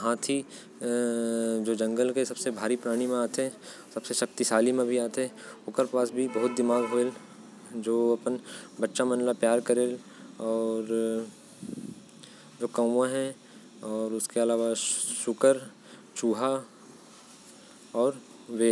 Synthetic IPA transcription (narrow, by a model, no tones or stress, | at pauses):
ɦãːt̪ʰi | d͡ʒoːd͡ʒɐ̃ŋɡəlkesɐb̥sebʱaːɾipɾaːɽ̃imẽaːt̪eɦɛ | sɐbseʃɐk̚t̪isaːlimẽbʱiaːt̪eɦɛʊkeɾpaːsbʱibɐɦʊt̪̚d̪ɪmaːɡɦoel | d͡ʒoːɐpənbɐtːʃamɐ̃nlapjaːɾkɐɾeːl | ɔːɾ | d͡ʒoːkə̃ãɦɛ̃ | ɔːɾʊskeɐlaːʋaʃʊkəɾ | t͡ʃuːɦa | ɔːɾ | ʋeː